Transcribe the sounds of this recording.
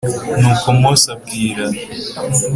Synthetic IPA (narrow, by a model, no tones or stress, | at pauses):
nuːkomosab̚ɡiːɾa